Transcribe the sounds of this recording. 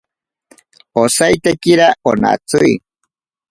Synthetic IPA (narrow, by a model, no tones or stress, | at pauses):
osajt̪ekiɾaona̰t͡suj